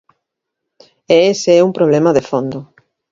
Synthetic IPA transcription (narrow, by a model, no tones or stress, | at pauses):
eeseɛumpɾoβ̞lemɐðefond̪ʊ